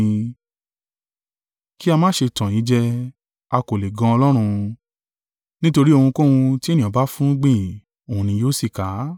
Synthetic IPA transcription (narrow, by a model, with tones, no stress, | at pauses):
ki˦a˧mãː˦˨ʃe˧tã˨i˨˦d͡ʒɛ˧ | a˧ko˨le˨ɡã˧ɔ˧lɔ˦ɾ̃ũ˧ | nĩ˦to˧ɾi˦o˧hũ˧ko˦hũ˧ti˦e˦˨nĩ˨ɔ̃˨ba˦fũ˦ɡ͡bĩ˦˨ | o˨hũ˧nĩ˧joː˦si˦˨ka˨˦